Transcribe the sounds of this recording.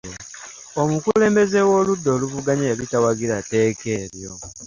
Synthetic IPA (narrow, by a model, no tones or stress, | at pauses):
omukule̞ːmbe̞zewo̞ːludːo̞ːluvuɡaɲeaβitawaɡiɾate̞ːke̞ːɾjo̰